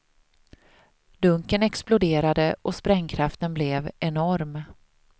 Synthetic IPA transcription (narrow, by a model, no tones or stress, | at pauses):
d̪ɵŋkənɛksplʊd̪eːɾad̪əʔɔspɾɛŋkʰɾaft̪ənblɛvɛnɔɾm